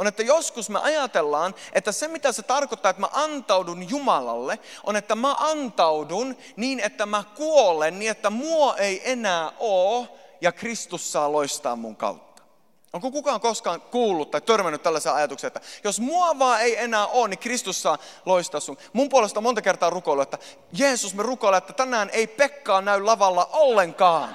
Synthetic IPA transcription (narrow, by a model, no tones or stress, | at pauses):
onet̪ːæjoskusmeʔɑjɑt̪elːɑːnʔet̪ːæsemit̪æset̪ɑrkot̪ːɑːet̪mæ̰ʔɑnt̪ɑwdunjumɑlɑ̰lːeʔonet̪ːæmæʔɑnt̪ɑudun | niːnet̪ːæmækuolenniːet̪ːæmuoʔeiʔenæːʔoːjɑkrist̪usːɑːloist̪ɑ̰ːmmṵŋkɑ̰ut̪ːɑ̥ | ʔoŋkokukɑːŋkoskɑːŋkuːlːut̪t̪ːɑit̪ørmænːyt̪t̪ælːæseɑjɑt̪ukseːet̪ːæjosmuɑʋɑːeienæːʔoːnnikrist̪usːɑːloist̪ɑːsːunmumpuolest̪ɑmont̪ɑkert̪ɑːrukoiluet̪ːæ | jeːsusmerukoileet̪ːæt̪ænæːneipekːɑːnnæyllɑʋɑlːɑʔolːeŋkɑːn